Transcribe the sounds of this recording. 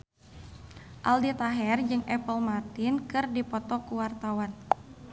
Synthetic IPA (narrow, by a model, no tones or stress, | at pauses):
ʔaldit̪aɦɛrd͡ʒɨŋɛpəlmart̪inkɨrdipɔt̪ɔkuwart̪awan